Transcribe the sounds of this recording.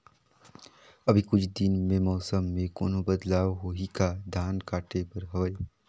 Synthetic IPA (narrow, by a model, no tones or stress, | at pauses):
ɐbʱikʊt͡ʃʰd̪ɪnmẽmɔːsəmːẽko̰ːnobəd̪laːʋɦoːɦikad̪ʱaːnkaːʈebɐɾɦɐʋəe